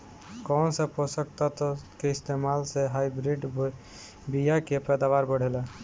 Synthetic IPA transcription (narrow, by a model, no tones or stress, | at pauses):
kɔnsəposəkt̪at̪keist̪emalseɦajbɾiɖ | bijakepɛd̪aʋaɾbəɽ̤elɛ̃